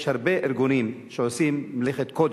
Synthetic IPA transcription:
ʃhaɾbe̞ʔeɾɡunimʃeosimmleχet̪kod̪

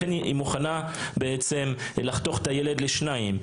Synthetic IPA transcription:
eniʔimuχana | beet͡sem | laχt̪o̞χetajele̞dleʃnaim

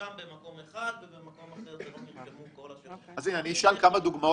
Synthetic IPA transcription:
oad̪ko | azineaniːʃalkamad̪uɡmao

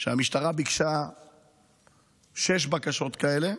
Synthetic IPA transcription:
ʃeamiʃtaʁabikʃa | ʃe̞ʃ̬bakaʃo̞t̪kae̞le̞

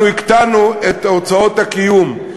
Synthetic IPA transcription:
uikt̪anuet̪aot͡sao̞thakijum

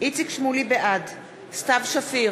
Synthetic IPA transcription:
ʔit͡sikʃmulibeʔad | st̪avʃafi

